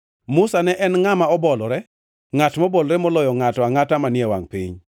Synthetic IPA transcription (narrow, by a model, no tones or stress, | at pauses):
mʊsanɛʔɛnŋamaɔbɔlɔɾɛ | ŋatmɔbɔlɾɛmɔlɔjɔŋatɔaŋatamanɪɛwa̰ŋpḭɲ